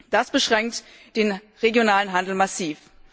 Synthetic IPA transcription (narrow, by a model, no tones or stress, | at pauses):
d̥asb̥əʃʁ̥ɛŋkt | d̥eːnʁeɡjonaːlənɦandl̩masiːf